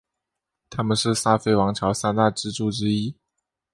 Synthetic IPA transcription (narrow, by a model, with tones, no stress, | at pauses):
t̪ʰa˥mə˨nʂɻ̩˥˩sa˥˧fe˥˩ɪwɑ˧˥ŋʈ͡ʂʰjɑ˧˥ʊsa˥˧nt̪a˥˩ʈ͡ʂɻ̩˥˧ʈ͡ʂu˥˩ʈ͡ʂɻ̩˥i˥